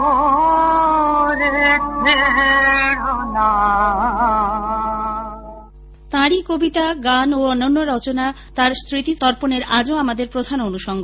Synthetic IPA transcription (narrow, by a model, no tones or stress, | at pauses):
ɾeeɦona | t̪ãɾikobit̪aɡanoɔnːonːoɾɔt͡ɕona | t̪aɾst̪ɾit̪it̪ɔɾponeɾad͡ʑoamad̪eɾpɾod̪ʱanonuʃɔŋɡo